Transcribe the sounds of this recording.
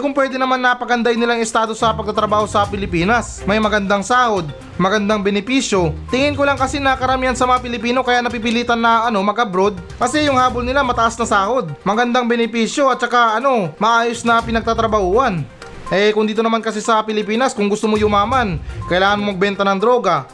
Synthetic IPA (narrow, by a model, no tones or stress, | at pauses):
kʊŋpwɛːd̪ɛnɐmanːɐpɐɡɐnd̪ajnɪlaŋɪst̪aːd̪o̞sɐpɐɡ̚t̪ɐt̪ɾɐbaːho̞sɐpɪlɪpiːnɐs | mɐjmɐɡɐnd̪aŋsaːho̞d̪̚ | mɐɡɐnd̪aŋbɛnɪpiːsjo̞t̪ɪŋɪnkolɐŋkɐsinɐkɐɾɐmiːhɐnsɐmɐŋapɪlɪpiːno̞kɐjaʔnɐpipɪliːt̪ɐnːɐʔɐno̞mɐɡʔɐbɾo̞d̪̚kɐsɛjʊŋhaːbolnɪlamɐt̪ɐʔasnɐsaːho̞d̪̚mɐɡɐnd̪aŋbɛnɪpiːsjo̞ɐt̪̚t͡ʃɐkaʔɐno̞mɐʔaːjo̞snɐpɪnɐɡ̚t̪at̪ɾɐbɐhuːhɐn | ʔɛkʊŋd̪iːt̪o̞nɐmankɐs̬ɛsɐpɪlɪpiːnɐskʊŋɡʊst̪omojʊmaːmankɐʔɪlaːŋɐnmomɐɡ̚bɛnt̪ɐnɐŋd̪ɾo̞ːɡɐ